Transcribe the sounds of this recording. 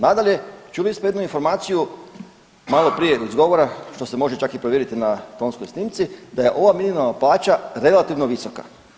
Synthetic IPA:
nad̪alʎe̞t͡ʃuliismojed̪nuinfo̞ɾmaːt̪siju | malo̞pɾijeizɡo̞ʋoɾaʃt̪o̞semo̞ʒe̞t͡ʃakipɾoʋjeɾit̪inat̪o̞ːnsko̞jsniːmt̪sid̪aje̞ʔo̞ʋaminimalˠnaplˠaːt͡ʃaɾe̞lat̪iʋnoʋiso̞ka̰

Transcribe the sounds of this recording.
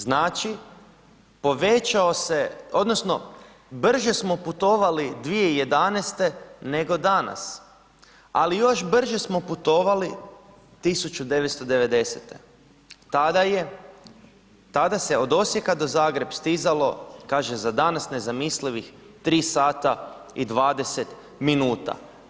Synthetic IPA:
znaːt͡ʃi | po̞ʋet͡ʃaose̞o̞d̪no̞sno̞ | br̩ʒe̞smo̞put̪o̞ʋalid̪ʋije̞ije̞d̪anest̪e̞ne̞ɡo̞d̪ana̰s | a̰lijo̞ʒbr̩ʒesmo̞put̪o̞ːʋali | t̪isut͡ʃud̪e̞ʋet̪st̪o̞d̪e̞ʋe̞d̪e̞set̪e̞ | t̪ad̪aje | t̪ad̪ase̞o̞d̪o̞sjekad̪o̞zaːɡɾe̞bst̪izalo̞kaːʒezad̪anasne̞zamisliʋix | t̪ɾiːsaːt̪aid̪ʋaːd̪e̞se̞t̪ | minuːt̪a̰

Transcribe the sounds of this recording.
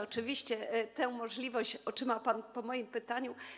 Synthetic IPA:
ɔt͡ʂɘvʲiɕt͡ɕɛt̪ɛ̃w̃mɔʐlʲivɔɕt͡ɕɔt͡ʂɘmapanpɔmɔjimpɘt̪aɲu

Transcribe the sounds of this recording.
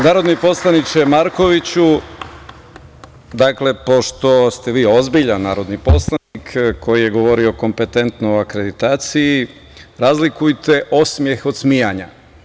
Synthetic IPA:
naːɾo̞d̪nipo̞slˠanit͡ʃemaɾko̞ʋit͡ɕu | d̪akle̞po̞ʃt̪o̞st̪e̞ʋiːozbiʎanːaːɾo̞d̪nipo̞slˠanikkʰo̞jije̞ɡo̞ʋo̞ɾio̞ko̞mpe̞t̪e̞nt̪nooakɾe̞d̪it̪aːt̪siji | ɾaːzlikujt̪e̞ʔosmje̞xo̞d̪smijaɲa

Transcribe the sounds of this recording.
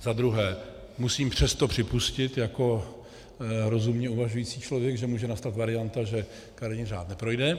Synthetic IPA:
zad̪ɾuɦɛː | musiːmpr̝̥ɛst̪opr̝̥ɪpuscɪt̪jako̞ | ɾo̞zumɲɛuvaʒujit͡siːt͡ʃlo̞vjɛɡʒɛmuːʒɛnast̪at̪vaɾɪant̪aʒɛ | kaɾɲɪnr̝aːt̪nɛpɾo̞jdɛ

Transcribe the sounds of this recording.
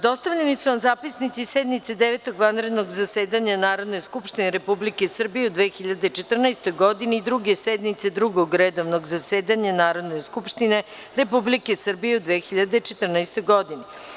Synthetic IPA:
d̪o̞st̪aʋʎʲenisunazaːpisnit̪sisɛd̪nit̪sed̪eʋet̪oɡʋanɾed̪noɡzaseːd̪aɲanaːɾo̞d̪nejskupʃt̪ineɾepublikesr̩bijeud̪ʋexiʎad̪e̞t͡ʃet̪r̩najst̪ojɡo̞d̪ineid̪ɾuɡesed̪nit̪sed̪ɾuɡoɡɾed̪oʋnoɡzaseːd̪aɲanaːɾo̞d̪neskupʃt̪ine | ɾepublikesr̩bijeud̪ʋeːxiʎad̪et͡ʃet̪r̩najst̪ojɡo̞d̪ine

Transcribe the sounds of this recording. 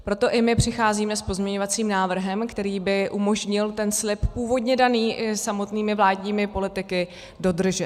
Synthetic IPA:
pɾo̞t̪o̞ʔɪmɪpr̝̥ɪxaːziːmɛspo̞zmɲɛɲo̞vat͡siːmnaːvr̩ɦɛmkt̪ɛɾiːbɪʔumo̞ʒɲɪlt̪ɛnslɪppuːvo̞dɲɛdaniːʔsamo̞t̪niːmɪvlaːdɲiːmɪpo̞lɪt̪ɪkɪ | do̞dr̩ʒɛt̪

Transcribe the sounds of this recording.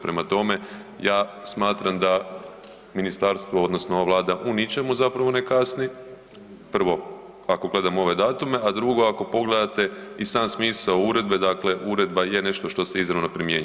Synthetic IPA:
pɾe̞mat̪o̞me̞ | jaːsmaːt̪ɾamd̪a | minist̪aɾst̪ʋood̪nosnooaʋlˠaːd̪aʔunit͡ʃe̞muzapɾaʋo̞ne̞kasni | pr̩ʋo̞ | ako̞ɡle̞d̪amo̞ʋe̞d̪aːt̪ume̞ad̪ɾuɡo̞ako̞po̞ɡle̞d̪at̪e̞isaːmsmiːsaouɾe̞d̪̚be̞d̪akle̞ʔuɾe̞d̪baje̞ne̞ʃt̪o̞ʃt̪o̞se̞izɾaʋnopɾimje̞ːɲ

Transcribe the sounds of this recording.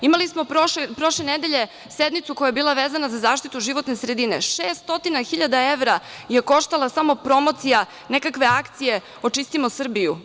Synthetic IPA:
imalismoopɾo̞ʃlened̪eʎe̞ | sed̪mit̪sukojajebilˠaʋeːzanazazaːʃt̪it̪uʒiʋo̞t̪nesɾed̪ineʃeːst̪o̞t̪inaxiʎad̪aeʋɾa | jeko̞ʃt̪alˠasamo̞pɾo̞mot̪sija | nekakʋe̞akt̪sije̞ | o̞t͡ʃist̪imosr̩biju

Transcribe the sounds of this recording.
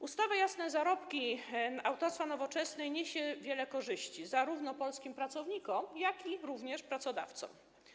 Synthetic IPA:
ust̪avajasnɛzaɾɔpkʲiawt̪ɔɾst̪fanɔvɔt͡ʂɛsnɛjɲeɕɛvʲjɛlɛkɔʐɘɕt͡ɕizaɾuvnɔpɔlskʲimpɾat̪sɔvɲikɔmjakʲiɾuvɲɛʂpɾat̪sɔd̪a̰ft̪sɔ̰̃m

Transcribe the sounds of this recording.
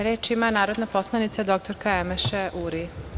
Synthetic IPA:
ɾeːt͡ʃimanaːɾod̪naposlˠanit̪sed̪o̞k̚t̪oɾkaemeʃeʔuɾi

